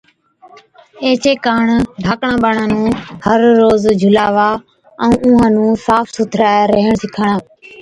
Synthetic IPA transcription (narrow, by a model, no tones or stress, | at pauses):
eːt͡ʃeːkaːɳɖʱaːkɳãːɓaːɳãːnũːhəɾːoːzd͡ʒʱʊlaːʋaː | ɛ̃ːʔũːãːnũːsaːfsʊt̪ʰɾaːeɾəɦəɳsɪkʰəɳãː